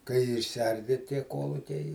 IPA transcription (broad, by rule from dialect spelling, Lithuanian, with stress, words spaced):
kɐɪ ɪʃʲsʲɪˈɐrʲdʲɪ tʲiɛ ˈkuɔlˠʊkʲɛɪ